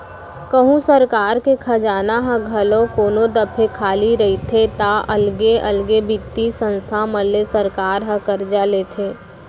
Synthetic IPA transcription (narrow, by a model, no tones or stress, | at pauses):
kɐɦũsəɾkaːɾkekʰɐd͡ʒaːnaɦəɡʱɐlõkoːnõd̪ɐpʰekʰaːliɾɐɦit̪ʰet̪aʔɐlɡeɐlɡebit̪ːisə̃nst̪ʰamɐlːesɐɾkaːɾɦəkɐɾd͡ʒaleːt̪ʰeː